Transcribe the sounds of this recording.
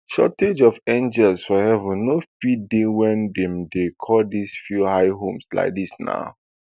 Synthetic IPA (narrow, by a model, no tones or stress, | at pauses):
ʃɔ̰ted͡ʒɔvẽnd͡ʒɛlsfɔhɛvə̃nːofidewɛ̃ndɛ̃mdekʰɔdisfjuhaɪɦõmsla̰ɪk̚disna̰ʊ